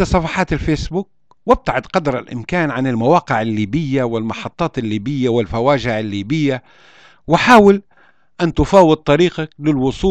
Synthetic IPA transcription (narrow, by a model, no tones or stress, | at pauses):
asˤɑfɑħɑːt̪ɪlfeːsbuːk̚ | wɪb̚t̪aʕɪd̪qɑd̪ɾˤalʔɪ̰mkaːnʕanɪlmawaːqɪʕɪlːiːbɪjːawɪlmɑħɑt̪ˤːɑːt̪ɪlːiːbɪjːawɪlfawaːʒɪʕalːiːbɪjːa | wɪħaːwɪl | ʔant̪ʊfaːwɪd̪̚t̪ˤːɑɾiːqak̚lɪlwʊsˤuː